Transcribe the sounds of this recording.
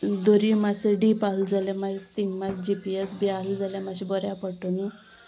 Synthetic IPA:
d̪oɾimat͡seɖipaɦld͡zalamait̪iŋɡmat͡sd͡ʑipiesbiald͡zaljamaɕibɔɾjapəʈənu

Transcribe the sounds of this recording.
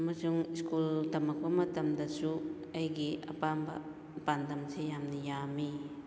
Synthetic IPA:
ɐmɐsuŋiskuldɐmɐk̚pɐmɐtɐmdɐsu | ɐjɡiɐ̰pambɐ̰ | pandɐmsʰejamnijami

